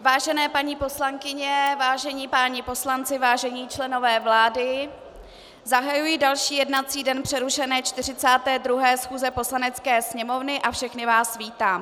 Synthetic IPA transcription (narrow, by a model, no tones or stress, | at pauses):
vaːʒɛnɛːpaɲipo̞slaŋkɪɲɛvaːʒɛɲiːpaːɲɪpo̞slant͡sɪvaːʒɛɲiːt͡ʃlɛno̞vɛːvlaːdɪ | zaɦajujɪdalʃiːjɛdnat͡siːdɛnpr̥ɛɾuʃɛnɛːt͡ʃt̪ɪr̝ɪt͡saːt̪ɛːdɾuɦɛːsxuːzɛpo̞slanɛt͡skɛːsɲɛmo̞vnɪʔafʃɛxnɪvaːsviːt̪aːm